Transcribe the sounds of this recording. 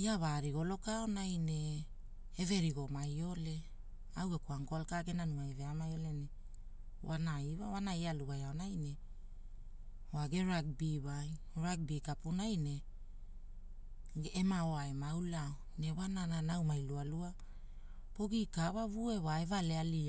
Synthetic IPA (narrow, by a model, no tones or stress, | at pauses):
iaβaɾiɡo̞lo̞kaonajne̞ː | ve̞ɾiɡo̞majo̞le̞ | awe̞kuaŋkoalkaɡe̞nanuaeve̞amajo̞le̞ne | wanaiβawanaialuβajaonajne̞ | oaɡe̞ɾaɡ̚biβaj | ɾaɡ̚bikapunajne̞ | ɡemaoaemawlao | ne̞wanananawmajlualua | poɡikawavue̞waevaleali